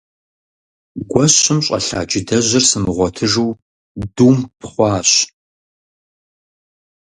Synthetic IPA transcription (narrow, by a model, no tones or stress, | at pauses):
ɡʷɔɕɪmɕʼɐ̰ɬa̰ːd͡ʒɪdʰɐʑɐrsɨmɨʁʷɔtʰɨʒuw | duːmpʰχʷɑːɕ